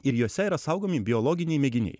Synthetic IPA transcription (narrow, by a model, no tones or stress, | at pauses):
ɪɾjuɔsʲɛiɾɐsɐʊɡoːmʲɪbʲɪɔlˠɔːɡʲɪnʲɛɪmʲɛɡʲɪnʲɛ̰ɪ